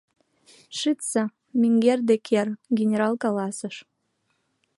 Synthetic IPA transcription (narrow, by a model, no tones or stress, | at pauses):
ʃɨt̪sɑ | mʲiŋɡerd̪ekʰerɡʲenʲeɾɑlˠkɑlɑsə̆ʃ